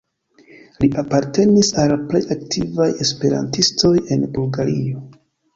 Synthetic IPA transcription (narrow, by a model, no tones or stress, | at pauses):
liʔapaɾte̞nisalple̞jak̚tʰivaje̞spe̞ɾa̰ntisto̞jenbulɡaɾio̞